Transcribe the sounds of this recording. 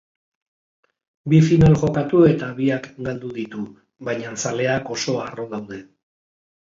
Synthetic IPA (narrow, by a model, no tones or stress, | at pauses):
bifinalʝo̞kat̪ue̞t̪aβiakɡald̪uðit̪u | βajɲansale̞ako̞so̞aro̞ðawðe̞